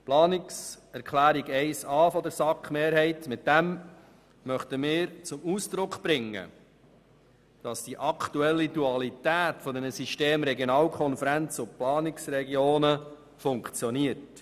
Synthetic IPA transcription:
plɑːnɪks | ɛɾkʰlæːɾiɡɛɪsɑːfɔdəɾsɑkχmeːɾhɛɪtmɪt̚dæm | mœχt̪əmɪːɾt͡sʊmuːsd̪̥ɾʊkχb̥ɾɪŋːə̰ | d̥ɑsd̥iʔɑktuɛlːiduɑlit̪æːtfɔd̪ɛnəsiʃteːmɾɛɡjonɑːlkʰɔnfəɾænt͡sʊplɑːnɪksɾɛɡioːnə | fʊŋkt͡sjɔniərt

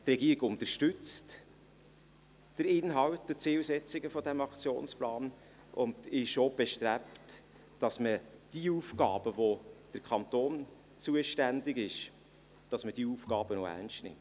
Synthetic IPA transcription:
trɛɡ̥iːɪɡʊnt̪əɾʃtʏt͡st | d̥əɾɪnɦɑwtːdət͡sɪːlsɛt͡sɪɡəfɔdæmɑkt͡sjo̰ːnsplɑːn | ʔʊndɪʃob̥ɛʃtɾæptː | ɑsməd̥iuːfɡɑːb̥əvod̥əɾkʰɑnt̪oːn | t͡suəʃtændɪɡɪʃ | d̥ɑsməd̥iːuːfkɑːb̥ənoæ̰rnstnɪ̰mt

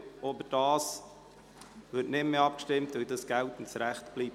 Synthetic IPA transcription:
ɔbəd̥ɑːs | vɪːtnɪmːəɑp̚kʃtɪmtvɪldɑsɡ̥æltn̩tsɾæχtb̥liːb

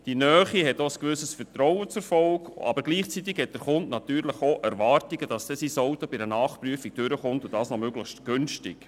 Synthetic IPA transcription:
d̥inœːχiɦɛtoəskʋʏsəsfəɾtɾɔwət͡sʊfɔlɡɑ̰bəɾɡliːχt͡sit̪ːɪkhɛt̚d̥ɾχʊntnɑt̪yːɾləχoʔɛɾvɑːrtiɡəd̥ɑsd̥ɛsisoʊtob̥ɪdənɑːχpryəfik̚d̥øɾəχʊntʊd̥ɑːsnomøɡ̥ləχʃtɡ̥ʏnʃtɪk

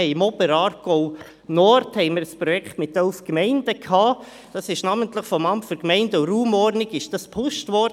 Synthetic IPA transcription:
ɛɪɪmɔbəɾɑːɾɡ̥ɔʊ | nɔːɾthɛɪməɾəspɾɔjɛkχtmɪtœlfkmɛɪnd̥əkʰhɑː | d̥ɑsɪʃnɑːməntləχfɔmɑmpføɾkmɛɪndəʊɾuːmɔɾnɪɡɪʃd̥ɑspʰʊʃtvɔd

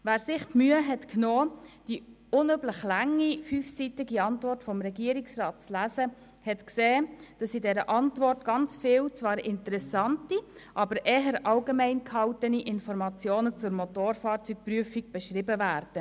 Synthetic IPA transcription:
ʋæːɾsɪχtmyːəɦɛtknoːd̥i | ʊnøbləχlæŋːifyːfsitɪɡiɑntvɔrtfɔmɾɛɡiəɾiksrɑːt̚t͡slæsə | hɛtkseːd̥ɑsidɛɾəʔɑntvɔrtɡ̥ɑnt͡sfɪːwt͡svɑːɾɪntəɾɛsɑntiʔɑbəɾʔɛːɦəɾʔɑlɡemɛɪnkʰhɑltəniʔɪnfɔɾmɑt͡sjoːnət͡sʊɾmɔtoːɾfɑːɾt͡syk̚pryəfiɡ̚b̥ɛʃrɪbəvæːɾd̥ə

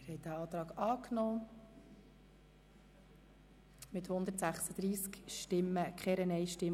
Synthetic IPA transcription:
ɪɾhɛɪt̚dæɑːt̪ɾɑːɡɑːknɔː | mɪthʊnd̪ətsæχsəd̪ɾiːskʃtɪməkχɛɾənɛjʃtɪm

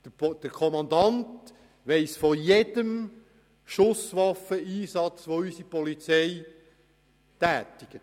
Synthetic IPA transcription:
d̪̥əkʰɔmɑnd̪ɑnt | ʋeɪsfɔjed̥əm | ʃʊsʋɑfəiːsɑt͡sʋoysipɔlit͡sɛɪ | tæːtɪɡ̥ət

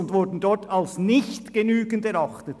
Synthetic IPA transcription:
ʊntvʊɾdn̩dɔɹtʰalsnɪçtɡ̥ənyːɡəndɛɾɑχtət

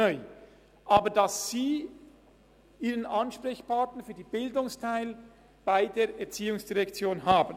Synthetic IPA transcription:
œʏ | ʔaːbədɑsz̥iː | ʔiːʁənʔɑnʃpʁɛçpʰaɹtnəfyːɐdiːbɪldʊŋstʰaɪl | b̥aɪdeːɐʔɛɐt͡siːʊŋsd̥iʁɛkt͡sjoːnɦaːbən

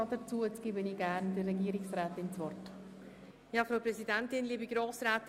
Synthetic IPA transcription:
ɑdət͡suːət͡sɡ̥iːbəniːɡæɾndərɛɡiːəɾɪksrɛːtɪnt͡svɔrt | jaːfɾaʊpɾɛzidɛntɪnliːbəɡɾoːsɾɛːt

